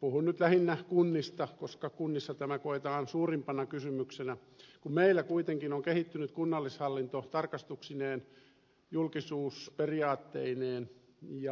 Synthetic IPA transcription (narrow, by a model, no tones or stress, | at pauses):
puhunnyt̪læhinːækunːist̪ɑkoskɑkunːisːɑt̪æmækoet̪ɑːnsuːrimpɑnɑkysymyksenæ | kummeilːækuit̪eŋkinoŋkehit̪ːynyt̪kunːɑlːishɑlːint̪ot̪ɑrkɑst̪uksineːn | julkisuːsperiɑːt̪ːeineːn | jɑ